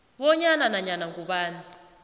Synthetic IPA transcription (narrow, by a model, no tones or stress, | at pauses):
βɔɲananaɲanaŋɡuɓaːni